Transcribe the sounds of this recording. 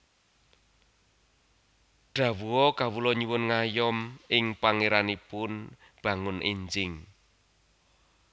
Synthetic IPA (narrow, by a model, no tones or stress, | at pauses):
ɖ̥ä̤wuɔkawulɔɲiwʊnŋajɔmɪŋpaŋeɾanipʊn | b̥ä̤ŋʊnʔḭɲd͡ʒɪŋ